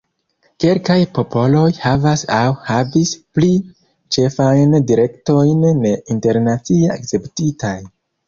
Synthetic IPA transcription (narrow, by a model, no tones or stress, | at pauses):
kelkajpo̞po̞lo̞jhavasawhavispli | t͡ʃe̞fajndiɾe̞kto̞jneinte̞ɾnat͡sieakt͡se̞ptitaj